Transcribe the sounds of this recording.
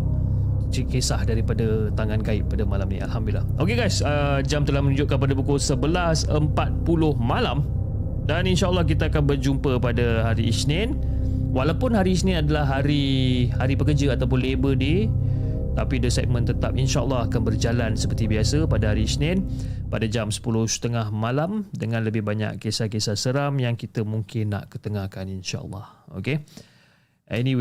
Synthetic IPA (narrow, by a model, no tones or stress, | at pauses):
t͡ʃikesahdaɾipadat̪aŋankaɪʔ̚padamalamnḭ̃a̰lhamdulːahʔokeɡajsəd͡ʒamt̪əlahmənũɲd͡ʒʊʔ̚kanp̬adapukʊsəbəlasəmpat̪̚pulʊhmalam | daninʃaʔəlːɔhkit̪aakanbərd͡ʒumpəpadaɦaɾiʔːsnɛn | walawpʊnɦaɾiːsnɪ̃nadalahɦaɾihaɾipəkərd͡ʒəat̪awpʊnlebəde | t̪apidəsat̪̚mə̃nt̪ət̪ap̚inʃaʔə̰lːɑhakanbərd͡ʒalansəpərt̪ibiasəpadaɦaɾiːsnɪnpadad͡ʒamsə̥pulʊhsə̥t̪əŋahmalamdəŋãnləbɪhbaɲa̰ʔkːesakesasəɾamjaŋkit̪əmuŋkɪnːa̰ʔkət̪əŋahkaninʃa̰ʔə̰lːɑ̰ho̰ke | ʔɛnĩw